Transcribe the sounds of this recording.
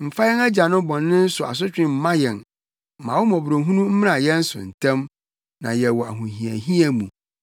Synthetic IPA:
m̩˨fa˦jɛ˦na˦d͡ʑa˨nʊ̃˦bɔ̃˨nːɪ̃˦n̩˦sʊ˨a̰˨s̬ʊ˦t͡ɕᶣɪ̃˦m̩˨˦mã˦jɛ˨n˨ | mã˨wʊ˦mɔ̃˨bɾo˨ɦũ˦nũ˦m̩˦mɪ̃˦nã˨jɛ˦n̩˦sʊ̰˨n̩˨tʰã˦m | nã̰˨jɛ˨wɔ˨a˨ɦʊ̃˨ɦĩ˨æ̰˨ɦĩ˦a˨mũ˨

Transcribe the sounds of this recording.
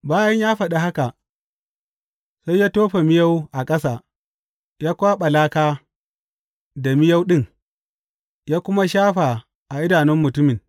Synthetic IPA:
baː˦jɐ˦ɲjaː˦ɸɐ˨ɗa˨ha˦ka˨ʔ | sa˦jːaː˦toː˦ɸe˨mɪ˦ja˦wʔa˨kʼɐ˦sa˨ | jaː˦kʷaː˦ɓɐ˨laː˦kaː˦ | da˨mɪ˦ja˦wɗɪ˦˨ŋ | jaː˦kʷʊ˦ma˦ʃaː˦ɸa˨ | ʔa˨ʔɪ˦daː˨nɪ˦mːʊ˨tʊ˦mɪ˨ŋ

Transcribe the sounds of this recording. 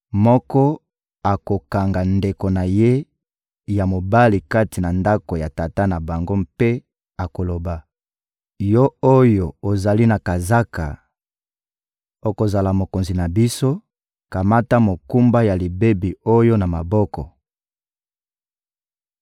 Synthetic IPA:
mɔ˦kɔ˦ | a˨ko˨ka˨ŋɡa˨nde˨ko˨na˨je˦ | ja˨mo˨ba˦li˨ka˦ti˨na˨nda˦ko˨ja˨ta˨ta˦na˨ba˨ŋɡo˦mpe˦ | a˨ko˨lo˨ba˨ | jɔ˦o˦jo˨o˨za˨li˦na˨ka˨za˦ka̰˨ | o˨ko˨za˨la˨mo˨ko˨nzi˨na˨bi˦so˦ | ka˨ma˦ta˦mo˨ku˦mba˦ja˨li˨be˦bi˨o˦jo˦na˨ma˨bɔ˦kɔ˨

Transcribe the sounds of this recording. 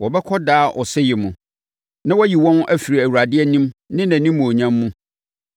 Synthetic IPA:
wɔ˨bɛ˦kʰɔ˦daː˦ʔɔ˨sɛ˦jɪ˨mũ˨ | nã˦wɔ˦ji˨wɔ̃˦nʔæ˦fi˨ɾi˨æ˨wu˨ɾa˨dɪ˦ɛ˦nĩ˦mnɪ̃˦næ̃˨nĩ˦mːũ˨o˨ɲã˦mːũ˦

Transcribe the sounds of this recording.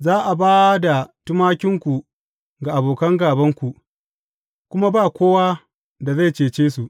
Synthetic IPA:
zaː˦ʔa˨baː˦da˨tʊ˦maː˦kʲɪ˦ŋkʷu˨ | ɡa˨ʔa˨boː˨kɐ˦ŋɡaː˨bɐ˦ŋkʷu˨ʔ | kʷʊ˦ma˦baː˦˨kʷoː˦waː˦ | da˨za˦˨jt͡ʃeː˨t͡ʃeː˦su˨ʔ

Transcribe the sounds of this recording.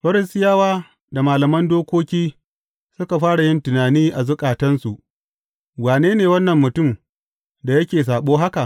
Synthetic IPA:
ɸɐ˦ɾɪ˦stɪ˦jaː˦waː˦ | da˨maː˨lɐ˨mɐ˦ndoː˦kʷoː˦kʲiː˦ | sʊ˦ka˨ɸaː˦ɽa˨jɪ˦ntʊ˨naː˨niː˦ʔa˨zʊ˦kʼaː˨tɐ˦nsu˨ʔ | waː˨neː˦neː˨wɐ˦nːɐ˨mːʊ˨tʊ˦˨m | da˨jɐ˦kʲeː˨s̬aː˨ɓoː˦ɦa˦ka˨ʔ

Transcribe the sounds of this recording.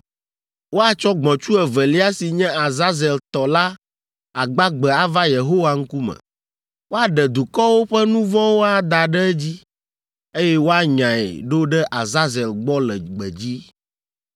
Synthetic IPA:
wo˦a˨t͡ʃɔ˦ɡ͡bɔ̃˨t͡ʃu˦ɛ˨vɛ˨li˦a˦si˨ɲɛ̃˦a˨za˦zɛ˨lt̪ɔ˨la˦ | a˨ɡ͡ba˦ɡ͡bɛ˨a˨va˦je˨ɦo˦wa˨ŋ̩˦ku˦mɛ̰̃˨ | wo˦a˨ɖɛ˨d̪u˨kɔ˦wo˦ɸɛ˦nũ˦vɔ̃˦wo˦a˨d̪a˨ɖɛ˦ɛ˦d͡ʑi˦ | e˦jɛ˦wo˦a˨ɲã˨ɛ̰˨ɖo˦ɖɛ˦ʔa˨za˦zɛ˨lɡ͡bɔ˦lɛ̰˨ɡ͡bɛ̰˨d͡ʑi˦

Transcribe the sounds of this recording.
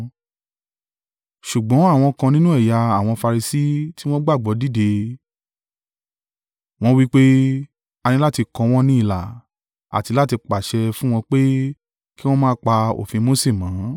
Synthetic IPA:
ʃu˨ɡ͡bɔ̃˨˦a˦˨w̃ɔ̃˧kã˧nĩ˦nũ˦ɛ˦˨ja˧a˨w̃ɔ̃˧fa˧ɾi˧si˦ti˦w̃ɔ̃˦ɡ͡ba˦˨ɡ͡bɔ˨˦di˦˨de˧ | w̃ɔ̃˦wi˦k͡pe˦ | a˧nĩ˧la˦ti˧kɔ̃˧w̃ɔ̃˦nĩ˦i˦˨la̰˨ | a̰˨ti˧la˦ti˧k͡pa˨ʃɛ˧fũ˦w̃ɔ̃˧k͡pe˦ | ki˦w̃ɔ̃˦mãː˦k͡pa˧o̰˨fĩ˧mo˦se˦˨mãː˨˦

